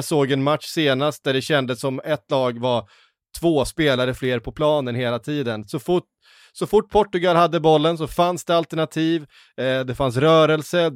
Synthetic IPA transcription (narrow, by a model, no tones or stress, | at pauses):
soːɡɛnmat̪ʂseːnast̪̚d̪æɖɛɕɛnd̪əsːɔmɛt̪ːlɑːɡvaɾ | t̪ʰvoːspeːlaɾəfleːɾpʰɔpʰlɑːnənɦeːlat̪ʰiːd̪ənsɔfʊʈ̚ | sɔfʊʈ̚ːpʰɔʈːɵɡalhad̪ːəbɔlːəns̬ɔfansd̪ɛalt̪æɳat̪ʰiːv | d̪ɛfans̬ɾœːɾəlsə